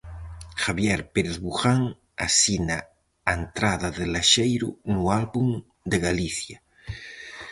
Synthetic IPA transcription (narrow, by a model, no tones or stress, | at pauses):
xaβjeɾpeɾeðβuxaŋ | a̰sina | aent̪ɾaðaðelaʃejɾṵnualβuŋ | d̪eɣaliθja